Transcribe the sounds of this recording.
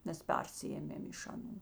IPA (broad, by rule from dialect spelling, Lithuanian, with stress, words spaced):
ˈmʲɛs ˈpʲɛrʲsʲɪeːmʲeːm ɪʃ ɐˈnuː